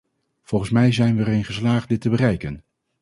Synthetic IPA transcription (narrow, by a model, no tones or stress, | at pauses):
v̥ɔlˠχənsmɛjzɛjnʋəərɪnχəslaːχt̚dɪtəbərɛjkən